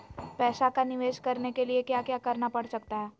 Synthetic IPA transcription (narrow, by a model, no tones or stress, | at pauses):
pɛːsakanɪʋeːʃkɐɾnekeliekjaːkjaːkɐɾnapɐɽsɐkt̪aɦɛː